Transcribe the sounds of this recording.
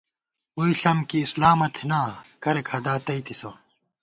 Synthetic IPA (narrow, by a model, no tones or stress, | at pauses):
uiɬɐmkiːslaːmɐt̪ʰinaːkɐɾekʰhɐd̪aːt̪ɐit̪ʰiso